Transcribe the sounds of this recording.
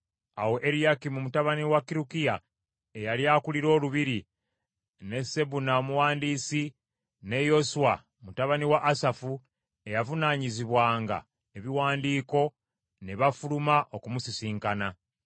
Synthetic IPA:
awo̞ʔeɾijakimumutaβaniwakːiɾukija | ejaljakuliɾo̞ːluβiɾi | ne̞se̞βunaomuwaːndiːsi | ne̞jo̞suwa | mutaβaniwaʔːsafu | e̞javunaːɲiziβwaːŋɡa̰ | eβiwaːndiːko̞ | neβafulumaʔo̞kumusisiːŋkana

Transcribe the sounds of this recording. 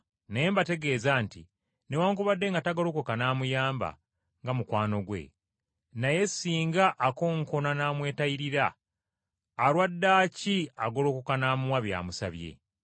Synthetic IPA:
neembate̞ɡe̞ːzaːnti | newaːŋkuβadːe̞ŋɡataɡolokokanaːmujaːmba̰ | ŋɡamukwaːno̞ɡwe̞̰ | naje̞siːŋɡaʔːko̞ːŋkonanaːmwe̞ːtaiɾiɾa | ɾwadːaːciaɡolo̞ːkokanaːmuwaβja̰ːmusa̰βje̞̰

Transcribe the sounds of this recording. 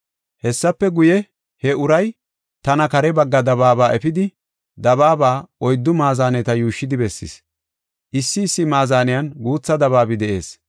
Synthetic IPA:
hɛsːɐpːɛɡʊjɛ | hɛʊɾɐj | t̪ɐnɐkɐɾɛbɐɡːɐd̪ɐβaːbaːʔɛfɪd̪ɪ | d̪ɐβaːbaːɔjd̪ːʊmaːzaːnɛt̪ɐjuːʃːɪd̪ɪbɛsːɪ̰s | ʔɪsːɪːsːɪmaːzaːnɛjɐnɡuːt͡sːɐd̪ɐβaːbɪd̪ɛʔe̞ːs

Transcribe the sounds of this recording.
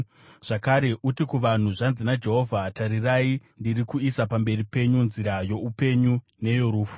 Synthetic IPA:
ʐ̥akaɾe̞ʔutikuʋan̤uʐanzinad͡ʒe̞ɦo̞vʱataɾiraindirikuisapambe̞ripe̞ɲunziɾajo̞upe̞ɲu | ne̞jo̞ɾuːfu̥

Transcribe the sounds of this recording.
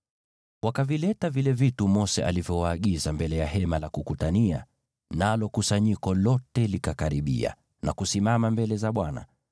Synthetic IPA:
wakavilɛtavilɛvitumɔsɛʔalivjɔwaːɠizambɛlɛjaɦɛmalakukutania̰ | nalɔkusaɲikɔlɔtɛlikakaɾiɓḭa̰ | na̰kusimamambɛlɛzaɓwana̰

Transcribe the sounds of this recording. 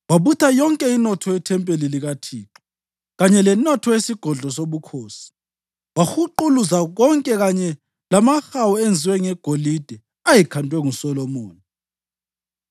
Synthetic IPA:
waβutʰajɔŋkʼɛinɔtʰɔɛtʰɛmpʼeliliɣatʰiːǁɔ | ɣaɲɛlɛnɔtʰɔjesiɡ̥ʱɔɮʱɔsoβukʰoːsi̥ | waxuǃuluzaɣɔŋkʼɛɣaɲɛ | lamaxawɔend͡zʱiwɛŋɛɡ̥ʱolid̥ʱɛ | ajikʰantʼwɛŋusɔlɔmɔːni

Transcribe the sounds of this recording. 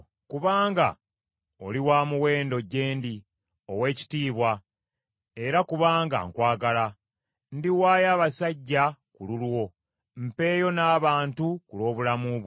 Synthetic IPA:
kuβaːŋɡa̰ | oliwaːmuwe̞ːndo̞ɟe̞ːndi | o̞we̞ːci̥tiːβwa | e̞ɾakuβaːŋɡa̰ŋkwaːɡala | ndiwaːjaːβasaɟːakululwo̞ | m̩pe̞ːjo̞naːβaːntukulo̞ːβulamuβ

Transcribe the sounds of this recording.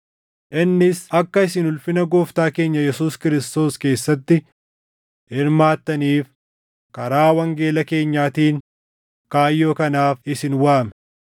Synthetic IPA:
ʔɪnːɪsɐkːɐɪs̬ɪnʊlfɪnɐɡoːft̪aːke̞ːɲːɐjɛsuːskɪɾɪst̪o̞ːske̞ːsːɐt̪ːɪ | hɪɾmaːt̪ːɐniːf | kɐɾaːwɐŋɡe̞ːlɐke̞ːɲːaːt̪iːŋ | kaːjːo̞ːkɐnaːfɪsɪnwaːmɛ

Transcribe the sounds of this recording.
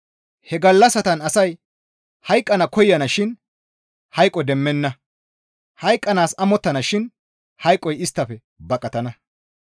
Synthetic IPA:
hɛɡɐlːɐsɐt̪ɐnɐsɐj | hɐjkʼːɐnɐkɔjːɐnɐʃɪn | hɐjkʼːɔd̪ɛmːɛnːɐ | hɐjkʼːɐnaːsɐmɔt̪ːɐnɐʃɪn | hɐjkʼːɔjɪst̪ːɐfɛ | bɐkʼɐt̪ɐnɐ

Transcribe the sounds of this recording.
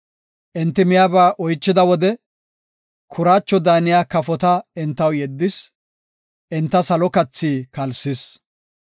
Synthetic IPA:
ʔɪnt̪ːɪmɪjaːbaːʔɔjt͡ʃːɪd̪ɐwɔd̪ɛ | kʰʊɾaːt͡ʃːɔd̪aːnɪjaːkɐfɔt̪ɐɪnt̪ːɐwjɛd̪ːɪs | ʔɪnt̪ːɐsɐlɔkɐt͡sːiːkɐlsɪs

